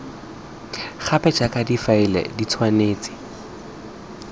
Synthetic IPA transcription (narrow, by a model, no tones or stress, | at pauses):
χʰapɛd͡ʒakʼadifaɪlɛ̰dit͡sʰwaneːt͡sʼɪ̥